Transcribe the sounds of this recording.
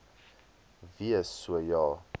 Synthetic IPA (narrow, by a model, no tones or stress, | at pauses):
viəsuəjɔː